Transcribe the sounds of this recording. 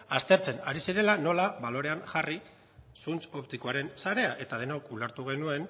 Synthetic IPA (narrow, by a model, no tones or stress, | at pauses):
ast̪e̞ɾt͡se̞naɾisiɾe̞lano̞laβalo̞ɾe̞anʝari | sunt͡so̞pt̪ikoaɾe̞nsaɾe̞aʔe̞t̪aðe̞nakuleɾt̪uɣ̞e̞nue̞n